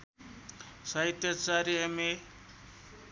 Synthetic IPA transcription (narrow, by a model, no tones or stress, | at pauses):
sait̪jat͡saɾiame